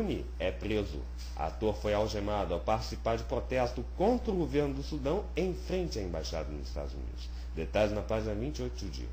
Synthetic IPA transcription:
ni | ɛpɾezʊ̰ | a̰t̪oɾfojawʒemad̪ʊawpaɾt͡ʃi̥sipaɾd͡ʒɪpɾot̪ɛst̪ʊkõnt̪ɾʊɡoveɾnʊd̪ʊsud̪ɐ̃w̃ẽj̃fɾẽnt͡ʃɪɐẽmbajʃa̰d̪ɐnʊzɪst̪a̰d̪ʊzṵnḭd̪ʊs | d̪et̪aʎɪznɐpaʒinɐvĩnt͡ʃɪojt̪ʊʊd͡ʒḭɐ̰

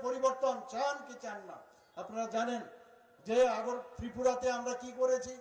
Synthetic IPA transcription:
poɾiboɾt̪ont͡ɕankit͡ɕanːa̰ | apnaɾad͡ʑanen | d͡ʑeaɡoɾt̪ɾipuɾat̪eamɾakikoɾet͡ɕʰi

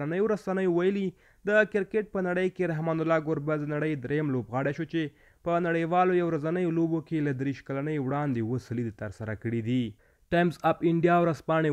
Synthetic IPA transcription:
anəjoɾasanəjowajəli | d̪əkɪɾkeʈ̚pənaɽəjkeɾaɦmɑnʊlɑɡʊɾbaznaɽəjd̪ɾejamlobɣɑɽeʃot͡ʃe | pənaɽəjwɑlojawɾazanəjolobokelad̪ɾiʃkalanəjwɽɑnd̪ewəsəlid̪et̪əɾsaɾakəɽid̪i | ʈajmzapɪɳɖijɑwɾaspɑɳe

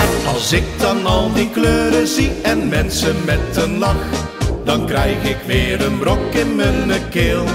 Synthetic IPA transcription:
ɑlˠsɪk̚dɑnɑlˠdikløːɾəziɛnmɛnsəmɛtənlɑx | d̥ɑnkrɛjɣɪkʋɪːɾənbrɔkɪnmənəkɪːlˠ

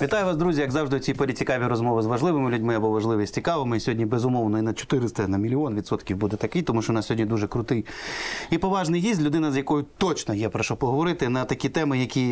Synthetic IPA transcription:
ʋʲit̪ɑjʊʋɑsd̪ɾuzʲijɐɡzɑwʒd̪ɪɔt͡sʲijpɔlʲit͡sʲikɑʋʲiɾɔzmɔʋɪzʋɐʒlˠɪʋɪmɪlʲʊdʲmɪɐbɔʋɐʒlˠɪʋʲisʲt͡sʲikɑʋɪmɔisʲɔɦɔdʲnʲibezʊmɔwnɔinɐd̪̚t͡ʃɔ̥t̪ɪɾɪst̪ɐnɐmʲilʲiɔnʋʲid̪sɔt̪kʲiwbud̪ɛt̪ɐkɪjt̪ɔmuʃt͡ʃɔnɑsʲɔɦɔdʲnʲid̪uʒɛkɾʊt̪ɪjipɔʋɑʒnɐjjisʲlʲʊd̪ɪnɐzʲjɐkɔjʊt̪ɔt͡ʃnɔjɛpɾɐʃɔpɔɦɔʋɔɾɪt̪ɪnɐt̪ɐkʲit̪ɛmɪjɐkʲi

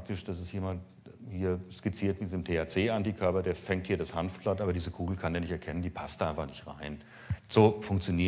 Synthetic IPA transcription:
k̚tɪʃd̥asɪstjeːmant | hiːɐskɪt͡siːɐtmɪtz̥mtʰeːat͡seːʔandiːkʰœɐpɐdeːɐfɛŋthiːɐɾashanfb̥latʔaːbɐdiːzəkʰuːɡl̩kʰandeːɐnɪçtɛɐkʰɛnəndiːpʰastd̥aːʔaɪnfaχnɪçtʁa̰ɪn | z̥oːfʊŋkt͡sjoniː

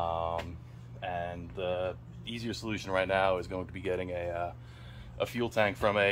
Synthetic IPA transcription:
ʌ̃m | ɨ̃nðə | iziə˞səlʉʃɨ̃n̩ɹaɪtⁿnaʊɨzɡoʊɪ̃ŋtʰəbiɡɛɾɪ̃ŋɨʌ | ʔəfjʉlˠtʰæ̃ŋkfɹʌ̃mɨ

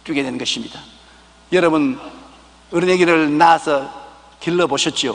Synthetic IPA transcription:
t͈ɥiɡedwenɡʌɕʰimɲida | jʌɾʌbɯn | ɯɾɯneɡiɾɯɭnasʰʌ | kilːʌboɕʰʌt̚t͡ɕ͈io

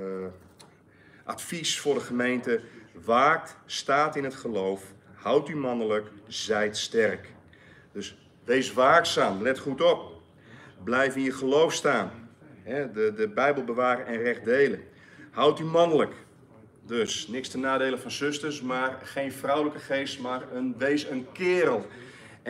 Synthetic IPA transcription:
ʔa̰tfisfʊːrdəχəmejntəʋaːk̚tstaːtɪnətχəlowfhawtymɔnələkz̥ɛjtstɛrk | d̥øs | ʋejsʋaːksaːmlɛtχutop̚ | blɛjfɪnjəχəlowfstaːnɦɛdədəbɛjbəlˠbəʋaːɾəʔɛnrɛχdejlə | hawtymɔnələk | døsnɪkstənaːdeːləfɔnsʏstərsmaːrχeːnfrawləkəχeːstmarənʋejsənkɪːɾəlˠ

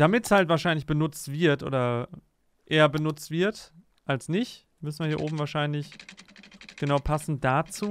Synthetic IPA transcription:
d̥amɪtshaltv̥aːɐʃaɪnlɪçb̥ənʊt͡stv̥ɪɐtʔo̰ːdɐ | ʔeːɐbənʊt͡stv̥ɪɐt | ʔalsnɪç | mʏsn̩viːɐiːɐʔoːbm̩vaːɐʃaɪnlɪç | ɡ̥ənaʊpʰasn̩dat͡suː

